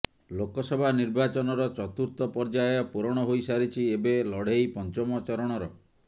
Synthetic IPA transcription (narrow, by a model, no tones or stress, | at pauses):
lokɔsɔbʱaniɾbat͡ʃɔnɔɾɔt͡ʃɔt̪uɾt̪ɔpɔɾd͡ʒaɔpuɾɔɽ̃ɔɦojsaɾit͡ʃʰiebelɔɽ̤ejpɔnt͡ʃɔmɔt͡ʃɔɾɔɽ̃ɔɾɔ